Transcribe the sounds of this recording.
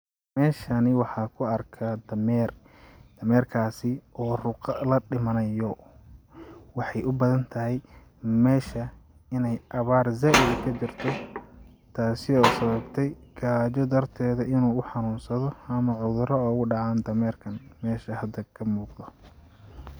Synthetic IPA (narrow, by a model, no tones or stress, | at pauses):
mɛːʃɐnɪwɑħɑːkʰʊɐrkʰad̪ɐmɛːr | d̪̥ɐmɛːrkʰaːsɪʔɔːrʊqɑlɐɖɪmɐnɐjɔ | wɑħɑjʔʊbɐðɐnt̪ʰɐɦɛj | mɛːʃɐ | ɪnɛjʔɐβaːrzaːʔɪdkʰɐt͡ʃɪrt̪ʰɔ | t̪ʰaːsɪɔːsɐβɐbt̪ʰɛjɡ̥aːt͡ʃɔd̪ɐrt̪ʰɛːðɐʔɪnuːʊħɑnuːnsɐðɔɐmɐʕʊðʊɾɔɔːɣʊɖɑʕaːnd̪ɐmɛːrkʰɐnmɛːʃɐhɐd̪ɐkʰɐmuːqd̪ɔ